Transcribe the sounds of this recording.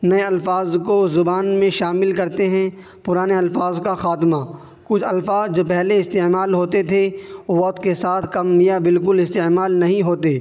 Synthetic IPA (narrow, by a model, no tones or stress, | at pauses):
nɐeɐlfaːzkozʊbaːnmẽʃaːmɪlkɐɾt̪eɦɛ̃ | pʊɾaːneɐlfaːzkaxaːt̪ma | kʊt͡ʃʰɐlfaːzd͡ʒoːpɛɦleɪst̪eːmaːlɦoːt̪et̪ʰeoʋɐqt̪ʰkesaːt̪ʰkɐmːijabɪlkʊlɪst̪eːmaːlnɐɦĩɦoːt̪eː